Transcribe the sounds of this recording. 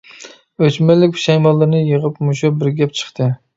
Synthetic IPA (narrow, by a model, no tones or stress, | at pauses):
øt͡ʃmɛlɪkʲʃɛjmɑlˠːɨɾnɨjəʁəpmuʃubɪɾɡʲɛp̚t͡ʃʰə̥χt̪ʰɨ